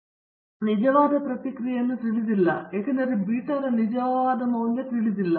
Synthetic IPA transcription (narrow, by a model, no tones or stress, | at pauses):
nid͡ʑɐʋaːd̪ɐpɾɐt̪ikɾijɐnːut̪iɭid̪ilːɐekɐnɐɾibiːʈːɐɾɐnid͡ʑɐʋaːd̪ɐmɐwnlɐt̪iɭid̪ilːɐ